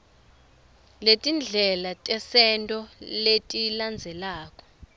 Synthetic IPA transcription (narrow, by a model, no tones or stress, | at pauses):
letʼind͡ɮʱɛlatʼɛsɛntʼɔletʼiland͡zʱɛlaːk̬ʼɔ̥